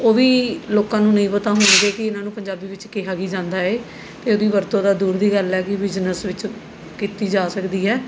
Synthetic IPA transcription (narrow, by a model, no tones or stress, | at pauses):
oːʋiːloːkãːnũːnəĩːpət̪ãːɦoːnĩːd̪eːkɪɪnãːnũːpəɲd͡ʒaːbiːʋɪt͡ʃkeːɦaːɡiːd͡ʒãːnd̪aːeː | t̪eːoːd̪iːʋəɾt̪õːd̪aːd̪uːɾd̪iːɡəlɛːkɪbɪznəsʋɪt͡ʃ | kiːt̪iːd͡ʒaːsəkd̪iːɦɛː